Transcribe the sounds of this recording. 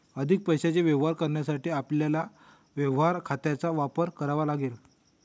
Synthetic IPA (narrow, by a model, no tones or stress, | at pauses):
əd̪ʱik̚pəjɕat͡ɕeʋjeʋɦaɾkəɾɳjasaʈiːapljala | ʋeʋɦaɾkʰat̪jat͡saʋapəɾkəɾaʋalaɡel